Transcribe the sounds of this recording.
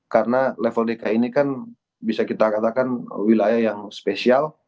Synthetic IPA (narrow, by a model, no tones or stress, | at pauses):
karnalɛfonikainikan | bisakit̪akat̪akanwilajahjaŋspesial